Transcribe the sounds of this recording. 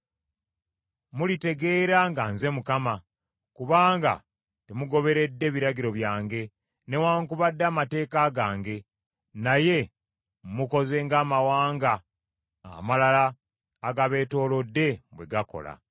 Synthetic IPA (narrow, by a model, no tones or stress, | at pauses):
mulite̞ɡe̞ːɾaŋɡaːnze̞mukama | kuβaːŋɡa̰ | temuɡo̞βe̞ɾe̞dːe̞βiɾaɟiɾo̞βjaːŋɡe̞ | ne̞waːŋkuβadːaːmate̞ːkaɡaːŋɡe̞ | naje̞ | muko̞ze̞ŋɡaːmawaːŋɡa | a̰malalaː | ɡaβe̞ːto̞ːlo̞dːe̞bwe̞ɡako̞̰la̰